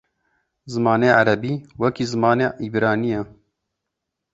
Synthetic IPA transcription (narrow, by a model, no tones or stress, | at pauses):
zɨmɑːneːʕaɾɐbiːwɐkiːzɨmɑːneːʔibɾaːnijɛ